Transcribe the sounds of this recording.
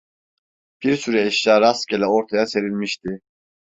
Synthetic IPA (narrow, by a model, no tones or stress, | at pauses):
b̥iɾsyɾɛiʃjaːɾascʲelʲɛo̞ɾt̪ʰajase̞ɾilʲmiʃt̪ʰi